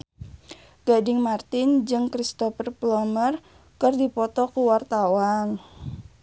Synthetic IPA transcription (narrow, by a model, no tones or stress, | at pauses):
ɡ̥adɪŋmart̪ɪnd͡ʒɨŋkɾist̪ɔfərplɔmər | kɨrdipɔt̪ɔkuwart̪awan